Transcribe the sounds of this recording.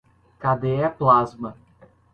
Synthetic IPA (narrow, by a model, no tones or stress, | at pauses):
kad̪eɛplazmɐ